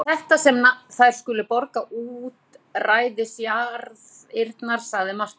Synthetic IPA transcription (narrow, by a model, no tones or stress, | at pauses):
θɛht̪asɛmaθajɾ̥skʏːlʏpɔɾkaʔuːt̪raːjðɪsjaɾð | ɪɾt̪naɾ̥saðɪmal̥t̪